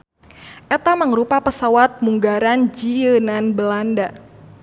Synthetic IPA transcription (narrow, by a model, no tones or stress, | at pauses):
ʔɛt̪aməŋɾupapəsawat̪̚muŋɡaɾand͡ʒiənanbəlanda